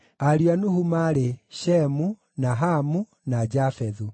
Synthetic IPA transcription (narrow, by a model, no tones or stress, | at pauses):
aɾianuhumaɾeɕɛmu | naɦamu | nad͡ʒafɛðu